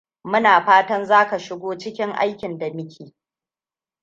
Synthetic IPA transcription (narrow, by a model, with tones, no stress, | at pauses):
mʊ˦naː˨ɸaː˦tɐ˦nzaː˦ka˨ʃɪ˦ɡʷoː˦t͡ʃɪ˦kʲɪ˦ŋʔa̰˦jkʲɪ˨nda˨mɪ˦kʲeː˨